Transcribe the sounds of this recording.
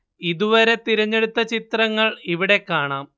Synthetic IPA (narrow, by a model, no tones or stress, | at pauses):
iðuʋɐɾe̞t̪iɾɐɲːe̞ɽut̪ːɐt͡ɕit̪rɐŋːɐɭiʋiɽe̞kːaːɳaːm